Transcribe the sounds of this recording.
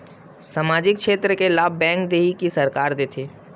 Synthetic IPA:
samaːd͡ʒɪk̚kʃeːt̪ɾəkelaːb̚bɛ̃ːŋk̚d̪eːɦikisɐɾkaːɾd̪eːt̪ʰeː

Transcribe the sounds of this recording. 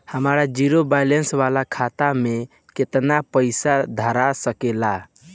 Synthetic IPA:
həmɾad͡ʒiɾobalensʋalakʰat̪ame | ket̪napəɪsad̪ʱəɾasəkela

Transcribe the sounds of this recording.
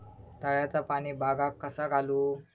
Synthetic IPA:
t̪əɭjat͡sapaɽ̃iːbʱaɡakːəsaɡʱaluː

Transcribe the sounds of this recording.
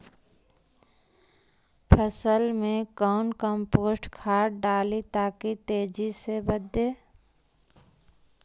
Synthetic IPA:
pʰəsəlmẽkɔːnkəmpoːsʈkʰaːɾɖaːlit̪aːkit̪eːd͡ʒisebəd̪ʱːeː

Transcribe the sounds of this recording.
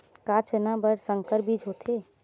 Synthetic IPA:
kat͡ʃenabəɽsəŋkəɾbid͡ʒɦot̪ʰe

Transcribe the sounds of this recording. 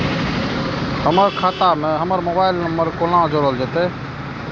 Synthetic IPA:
ɦəməɾkʰaːt̪amẽɦəməɾmoːbaːɪlnəmbəɾkolãd͡ʒəɾɦold͡ʒət̪eː

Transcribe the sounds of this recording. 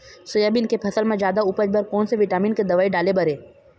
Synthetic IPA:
sʊjaːbinkepʰɐsəlmẽd͡ʒjaːd̪aʊpəd͡ʒbəɾkɔːnseʋɪʈaːmiːnked̪ɐʋaːiɖaːlebɐɾeː

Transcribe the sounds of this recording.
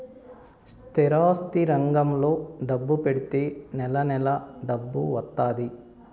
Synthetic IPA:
st̪ʰiɾaːst̪iɾɐŋɡɐmlo̞ːɖɐbːupe̞ɽit̪e̞ːnɛlɐnɛlɐɖɐbːuʋɐt̪ːaːd̪i

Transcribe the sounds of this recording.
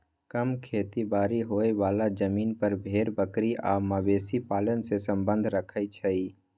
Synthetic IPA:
kəmkʰeːt̪ibaːɾiɦoːeʋaːlad͡ʒəmiːnpəɾbʱeːɾbəkɾiʔaːmabeːsipaːlənsesə̃mbə̃nd̪ʱɾəkʰəjt͡ʃʰəiː

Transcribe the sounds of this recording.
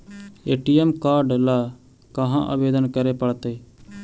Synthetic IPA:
eːʈijɛmkaːɾɖla | kɐɦãʔɐ̰beːd̪ənkɐɾepɐɭt̪e

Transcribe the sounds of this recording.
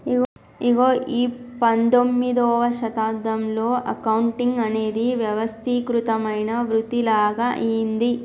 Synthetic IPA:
iɡ | iɡoːʔiːpɐnd̪omːid̪ɔːʋɐʃɐt̪aːd̪ɐmlo̞ːʔɐkɐwɳʈiŋɡɐne̞ːd̪iʋjɐʋɐst̪ʰikɾut̪ɐmɐjnɐʋɾut̪ilaːɡaʔijind̪i

